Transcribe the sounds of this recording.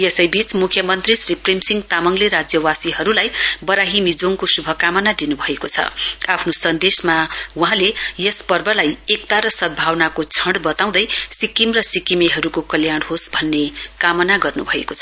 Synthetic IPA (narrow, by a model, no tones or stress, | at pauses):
jesʌjbit͡smukʰjʌmʌnt̪risriprimsiŋɡt̪amʌŋleɾad͡zjʌwasiɦʌɾulajbʌɾaɦimid͡zoŋkosubʱʌkamʌnad̪inubʱʌekot͡sʰʌ̰apʰnosʌnd̪esmawuɦãlejespʌrbʌlajek̚t̪aɾʌsʌd̪̚bʱawnakot͡sʰʌɳɖbʌt̪aw̃d̪ʌjsikimrʌsikimeɦʌɾukokʌljaɽ̃hosbʱʌnːekamʌnaɡʌrnṵbʱʌḛkot͡sʰʌ